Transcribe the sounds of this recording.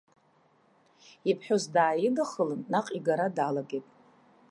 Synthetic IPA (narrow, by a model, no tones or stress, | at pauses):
ipʰħᶣozdaːjɪdaχəlɨnːaqʼiɡaɾadʕalaɡʲejtʼ